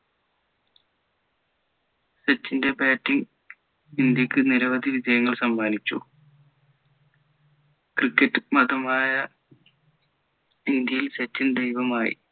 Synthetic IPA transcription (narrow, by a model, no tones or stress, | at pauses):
ɕet͡ɕːinde̞baːtːiŋ | ind̪jɐkʲːɨniɾɐʋɐd̪ʱiʋid͡ʑɐjɐŋːɐɭsɐmbʱaːnit͡ɕːṵ | krikːɐtːɨmɐðɐmaːjɐ | ind̪jɐjilset͡ɕːind̪e̞jʋɐmaːjḭ